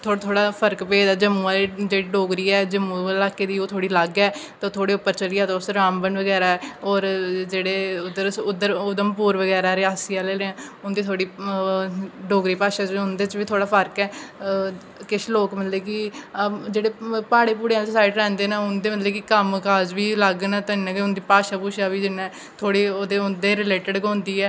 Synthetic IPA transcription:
t̪ʰoːɽt̪ʰoːɽaːpʰəɾkpeːd̪aːd͡ʒəmũːaːled͡ʒeːɽiɖoːɡɾiːɛːd͡ʒəmːũːlaːkeːd̪iːoːt̪ʰoːɽiːləɡɛːt̪ãt̪ʰoːɽeːʊpːəɾt͡ʃəlɪjaːt̪ːʊsɾaːmbənʋəɡɛːɾaːɛːoːɾd͡ʒeːɽeːʊd̪əɾʊd̪əɾʊd̪əmpuːɾʋəɡɛːɾaːɾɪaːsɪjaːleːleãːʊnd̪iːt̪ʰoːɽiː | ɖoːɡɾiːpaːʃaːt͡ʃɦʊnd̪eːt͡ʃʋiːt̪ʰoːɽaːpʰəɾkɛː | kɪʃloːkmət̪leːkɪ | d͡ʒeːɽeːpaːɽeːpuːɽeãːsaːɪʈɾɛ̃ːnd̪eːnãːʊnd̪eːmət̪leːkɪkəmkaːzʋiːləɡnãːt̪ːɪnːãːkeʊnd̪iːpaːʃaːpuːʃaːʋiːd͡ʒɪnːɛ̃ː | t̪ʰoːɽiːoːd̪eʊnd̪eːɾɪleːʈəɖkõːnd̪iːɛː

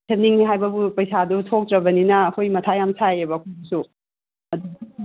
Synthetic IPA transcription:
sʰɐniŋiɦajbɐbupɐjsadutʰok̚tɾɐbɐninɐːkʰojmɐtʰajamsʰajebɐːkʰojbsu | ɐduɡ

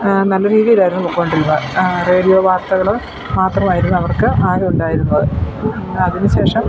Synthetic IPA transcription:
nɐlːɐɾiːðijilaːjiɾunːɐmukːɐːoɳɖiɾunːɐre̞ːɽijoːʋaːrt̪ɐɣɐɭo | maːt̪rɐmaːjiɾunːuɐʋɐrkɨaːɣɐuɳɖaːjiɾunːɐðɨ | ɐðinɨɕe̞ːʂɐm

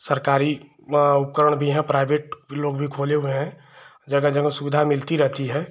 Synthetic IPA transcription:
səɾkaːɾi | ʊp̚kəɾəɽ̃bʱiɦɛ̃pɾaːɪbeːʈ̚loːɡbʱikʰoːleɦʊeɦɛ̃ | d͡ʒɐɡəd͡ʒəɡəsʊʋɪd̪ʱamɪlt̪iɾɛɦt̪iɦɛ̃ː

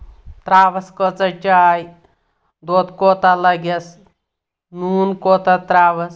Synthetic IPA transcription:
t̪ɾaːʋɐskət͡sɐt͡ʃaːj | d̪oːt̪koːt̪alɐɡɐs | nuːnkoːt̪at̪ɾaːʋɐs

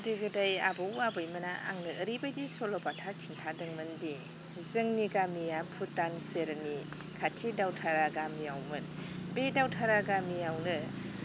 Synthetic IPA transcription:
diɡɯdaja̰bɯwabɯjmɯnaʔa̰ŋnɯəɾibadisolɔpatʰakʰintʰadɯŋmɯndi | zɯŋniɡamijapʰutanseɾni | kʰatʰidawtʰaɾaɡamiawmɯnbedawtʰaɾaɡamijawnɯ

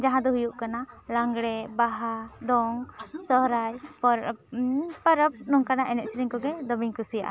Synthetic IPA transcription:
d͡ʒaɦãd̪ɔɦujuʔkanalaŋɡɽɛbaɦad̪ɔŋsɔɦɾajpɾ | pəɾəp̚nɔŋkanaʔɛnɛt̪̚sɾiŋkɔɡɛd̪ɔbiŋkusija̰ʔa̰

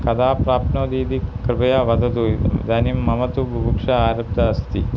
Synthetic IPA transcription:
kɐd̪aːpɾaːpnoːd̪iːd̪ikɾɨbɐjaʋɐd̪ɐt̪ud̪aːnimːɐmɐt̪ubʱbukʂɐaːɾɐb̚d̪ɐɐst̪i

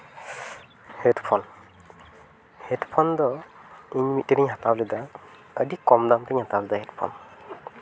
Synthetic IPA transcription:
hɛtpʰɔn | hɛtpʰɔndɔiɲmit̚ːiɾiɲɦatablɛd̪a | ədikɔmdamtiɲhatablɛd̪ahɛtpʰɔ̰n

